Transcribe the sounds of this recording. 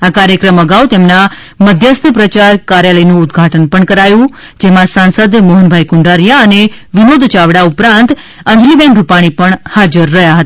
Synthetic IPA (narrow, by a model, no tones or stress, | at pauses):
akaɾjəkɾəməɡaʋwt̪emna | məd̪ʱjəst̪ʰəpɾət͡ʃaɾkaɾjaləjnũːd̪ɡʱaʈənpəɳkəɾajũ | d͡ʒɛmãsansəd̪moɦənbʱajkʊɳɖaɾjaəneʋɪnod̪ʱt͡ʃaʋɽaupɾãnt̪ | ə̃ɲd͡ʒlibɛ̃ɳɖɾupaɽ̃ipəɳhad͡ʒəɾːəɦjaɦət̪aa